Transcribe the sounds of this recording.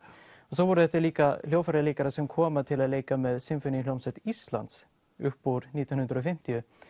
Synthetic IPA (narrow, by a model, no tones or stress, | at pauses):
ɔsɔvɔɾʏθɛht̪ːɪɾliːkaljoːwfaɾaliːkaɾasɛmkʰɔːmat̪ʰɪlaðleːjkamɛðsɪmfʏnːɪlowmsɛt̪ist̪la̰nt̪s | ʏhkpuɾniːt̪ɔnhʉnd̪ɾɔɔfɪm̥t̪ɪʏ